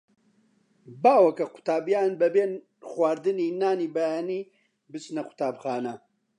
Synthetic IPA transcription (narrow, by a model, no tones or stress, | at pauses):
baːwɐkɐqʰʊ̥t̪aːbjaːnbɐbeːn | xwaːɾd̪ɨniːnaːniːbɐjaːniː | bɨt͡ʃnɐqʰʊ̥t̪ʰaːbxaːnɐ